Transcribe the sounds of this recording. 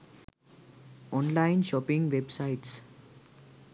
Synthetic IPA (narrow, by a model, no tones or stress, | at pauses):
ɔ̃nlãɪ̃nʃɔpɪ̃ŋʋebsaɪʈs